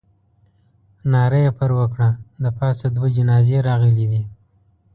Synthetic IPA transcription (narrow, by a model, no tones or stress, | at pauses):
nɑɾəjapəɾwəkɽalapɑsad̪wed͡ʒɪnɑzeɾɑɣəlid̪i